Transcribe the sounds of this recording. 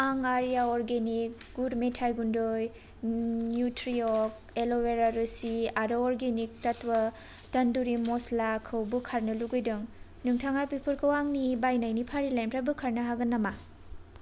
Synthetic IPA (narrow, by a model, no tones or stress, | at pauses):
aŋaɾijaɔɾɡenik̚ɡudmetʰajɡundoj | njutɾiok̚ | eloweɾaɾusiaɾoːɾɡenik̚tɐtwɐ | tɐnduɾimoslakʰɯwbukʰaɾnɐluɡɯjdɯŋ | nuŋtʰaŋajpipʰuɾkʰɯwaŋnibajnajnipʰaɾilajnpɾabukʰaɾnɐɦaɡɐnama